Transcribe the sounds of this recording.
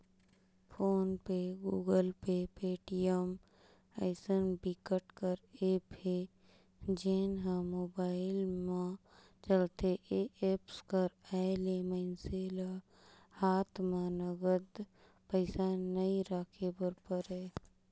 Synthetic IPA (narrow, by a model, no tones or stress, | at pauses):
pʰoːnpeɡuːɡəlpepeːʈiəm | əɪsənbikəʈkəɾeːpe | d͡ʒeːnɦãmoːbaːɪlmã | t͡ʃəlt̪eʔeeːpskəɾaːɪleməɪnsela | haːt̪ʰmãnəɡəd̪ | pəɪsanəiɾaːkʰebəɾpəɾɦɛː